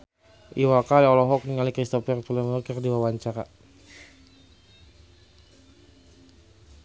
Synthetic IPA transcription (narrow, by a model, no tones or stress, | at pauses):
ʔiwakaliɔlɔɦɔk̚niŋalikɾist̪ɔfɛrt̪ulɛmɔkɛrdiwawaɲt͡ʃaɾa